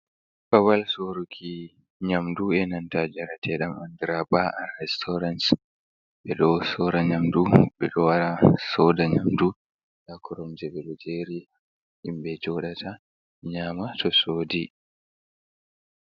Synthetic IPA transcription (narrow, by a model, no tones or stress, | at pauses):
bawalsoɾukʰi | ɲamduɛnantad͡ʒɛɾatʰɛɗamandiɾabaʔanːɛstʰɔɾans | ɓɛɗɔsɔɾaɲamduɓɛ̰ɗɔwaɾasɔdaɲamdu | ɗakɔɾɔmzɛɓɛɗɔd͡ʒeɾi | ʔimɓɛd͡ʒɔɗatʰa | ɲaːmatɔsoːdi